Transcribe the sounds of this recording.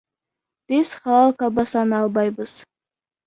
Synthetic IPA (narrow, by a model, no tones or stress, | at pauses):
b̥ɪz̥χɑlˠɑlˠkɑbɑsɑnɑlˠbɑjbəz̥